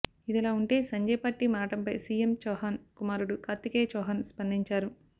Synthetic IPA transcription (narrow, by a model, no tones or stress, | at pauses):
id̪ilaːuɳʈe̞ːsɐɲd͡ʒɐjpaːʈːimaːʈɐmpɐjsiːjemt͡ʃɔːɦaːnkumaːɾuɽukaːt̪ːikeːt͡ʃɔːɦanspɐnd̪iɲt͡ʃaːɾu